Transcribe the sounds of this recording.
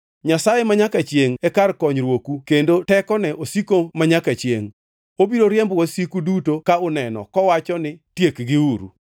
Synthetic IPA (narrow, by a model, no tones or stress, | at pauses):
ɲasajemaɲakat͡ʃjeŋɛkarkɔɲɾwokukendotɛkɔnɛʔosikomaɲakat͡ʃjḛŋ | obiɾoɾjɛmbwosikudutokaʊnɛnɔ̰kɔwat͡ʃɔnɪtjekɡɪuɾṵ